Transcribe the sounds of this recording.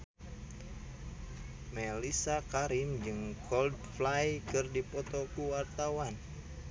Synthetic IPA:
mɛlisakaɾimd͡ʒɨŋkɔldflajkɨrdipɔt̪ɔkuwart̪awan

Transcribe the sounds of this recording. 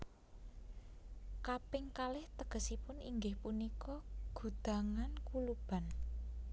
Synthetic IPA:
kapɪŋkalɪht̪əɡ̥ə̤sipʊnḭŋɡɪhpunikɔɡ̥ṳd̪̥a̤ŋankulub̥a̤n

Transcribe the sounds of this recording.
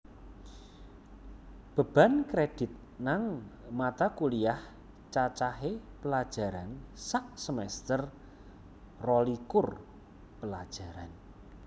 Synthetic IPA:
b̥ə̤b̥a̤nkɾed̥ɪ̤t̪̚ | naŋmat̪akuliah | t͡ʃat͡ʃaɦepəlad̥ʒ̥a̤ɾansaʔsəmɛst̪ər | rɔlikʊr | pəlad̥ʒ̥a̤ɾan

